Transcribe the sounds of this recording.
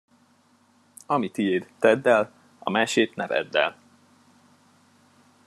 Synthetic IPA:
ɒmit̪ijeːt̪t̪ɛd̪ːɛl | ɒ̰maːʃeːt̪nɛvɛ̰d̪ːɛ̰l

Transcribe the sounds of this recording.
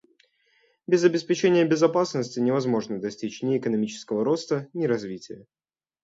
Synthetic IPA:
bʲɪzɐbʲɪspʲɪt͡ɕenʲɪjəbʲɪzɐpasnəsʲtʲɪnʲɪvɐzmo̞ʐnəd̪ɐsʲtʲit͡ɕnʲɪɪkənɐmʲit͡ɕɪ̥skəvəɾo̞st̪ənʲɪɾɐzvʲitʲɪjə

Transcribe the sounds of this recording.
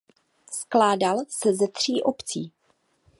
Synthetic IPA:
sklaːdalsɛzɛt̪r̝̥iːʔopt͡siː

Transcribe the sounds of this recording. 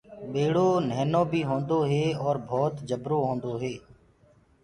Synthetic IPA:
ɓeːɽoːnəɦnõːbʱiːɦõːnd̪oːɦeːɔːɾbʱɔːt̪d͡ʒəbɾoːɦõːnd̪oːɦeː

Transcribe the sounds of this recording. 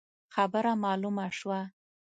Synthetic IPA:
xabəɾamɑlumaʃwa

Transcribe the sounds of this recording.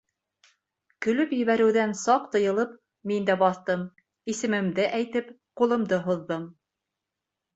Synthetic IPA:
kɵ̆lɵpjɘ̆βæɾɘ̆wðænsɑq̚t̪ɤ̆jɤ̆lˠɤp | mind̪æbɑθt̪ɤm | isɘ̆mɘ̆md̪ɘʔæjt̪ɘp | qulˠɤ̆md̪ɤɦŏðːɤm

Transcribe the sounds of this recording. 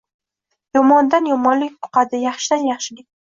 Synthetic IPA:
jɒmɒnd̪anjɒmɒnlɪk̚ʲt̪ʰʊ̥qɑd̪ɪjɑχʃɪd̪anjɑχʃɪɡʲɪ

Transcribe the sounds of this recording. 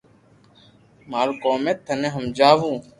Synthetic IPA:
maːɾkoːmeːt̪ʰːənẽːɦəmd͡ʒaːʋũː

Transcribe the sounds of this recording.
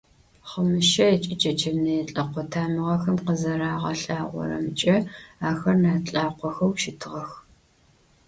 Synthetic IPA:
χəmɨʃɐɛt͡ʃʼɪt͡ʃʼɐt͡ʃʰɐmnɐjɛɬʼɐqʷɔtʰaːmɨʁɐxɐmqəzɐɾaːʁɐ̰ɬaːʁʷɔ̰ɾɐ̰mɨt͡ʃʼɐaːxɐrnaːt͡ɬʼaːqʷɔxɐwʃɪtʰɨʁɐx

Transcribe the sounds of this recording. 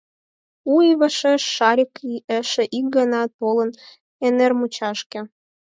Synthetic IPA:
uiβəʃeʃːɑɾʲikiəʃĕʔik̚ɡɑnɑt̪olən | enermut͡ɕɑʃkĕ

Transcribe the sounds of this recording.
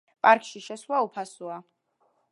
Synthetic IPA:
pʼaɾkʼʃiʃɛswaupʰasua

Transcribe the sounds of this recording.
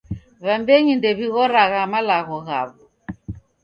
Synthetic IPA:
βambɛɲindɛβiɣɔɾaɣamalaɣɔɣa̰βɔ

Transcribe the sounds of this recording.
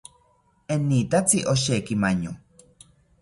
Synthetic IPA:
enːiːt̪at͡siʔoʃ̬eːkimaɲo

